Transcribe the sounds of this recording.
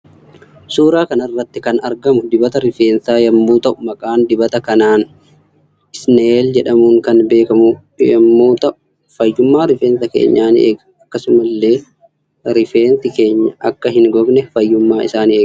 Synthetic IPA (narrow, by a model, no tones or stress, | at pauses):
suːɾaːkɐnɐrːɐt̪ːɪkɐnɐɾɡɐmʊd̪ɪbɐt̪ɐɾɪfe̞ːnsaːjɐmːuːt̪ɐʔʊmɐkʼaːnd̪ɪbɐt̪ɐkɐnaːn | ɪsneːld͡ʒɛᶑɐmuːŋkɐnbe̞ːkɐmʊ | jɐ̰mːoːt̪ɐʔʊ | fɐjːʊmːaːɾɪfeːnsɐkḛːɲːaːnḛːɡ | ɐkːɐsʊmɐlːe̞ː | ɾɪfeːnt̪ɪke̞ːɲːɐʔɐkːɐɦɪŋɡɔɡnɛfɐjːʊmːaːɪ̰saːneː